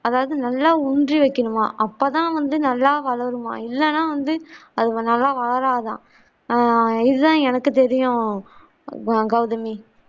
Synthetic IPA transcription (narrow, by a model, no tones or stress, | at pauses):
ɐðaːʋɐðɯnɐlːaːʊndriʋɐɪkːɐɳɯma̰ːʔɐpːoːt̪ãːʋɐnd̪ɯnɐlːaːʋɐɭɐɾɯma̰ːɪlːɛnːaːʋɐnd̪ɯɐðɯnɐlːaːʋɐɭɐɾaːt̪ãː | ɪðɯt̪ãːɛnɐkːɯt̪ɛɾɪjʊ̃ | ɡɐʋʊðɐmi